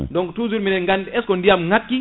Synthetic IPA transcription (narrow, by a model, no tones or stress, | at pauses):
ndɔŋɡtuzuɾminɛŋɡanɛskɔndiamŋakːi